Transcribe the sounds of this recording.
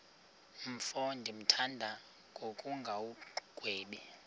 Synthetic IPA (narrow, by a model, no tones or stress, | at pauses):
m̩fondʱim̩tʰandʱa | ŋɡʱokʼuŋɡʱawuɡ̥ʱweːɓi